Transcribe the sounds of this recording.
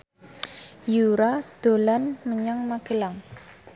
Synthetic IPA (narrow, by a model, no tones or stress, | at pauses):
juɾad̪̥o̤lanməɲaŋmaɡ̥əlaŋ